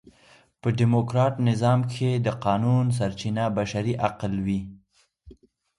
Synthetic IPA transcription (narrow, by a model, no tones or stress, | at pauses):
pəɖimokɾɑʈnɪzɑmkʰed̪əqɑnuns̬aɾt͡ʃinabaʃaɾiʔaqlwi